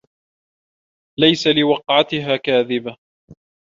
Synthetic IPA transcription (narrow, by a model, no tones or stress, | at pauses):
lajsalɪwɑqʕat̪ɪɦaːkaːðɪba